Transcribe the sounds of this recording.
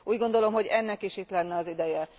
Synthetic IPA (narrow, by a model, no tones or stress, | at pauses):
uːɟɡo̞nd̪o̞lo̞mɦo̞ɟɛnːɛkiʃit̪lɛnːɛɒzid̪ɛjɛ